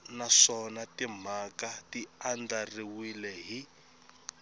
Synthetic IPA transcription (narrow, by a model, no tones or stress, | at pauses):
naʂɔnatim̤akatiandariwilɛɦi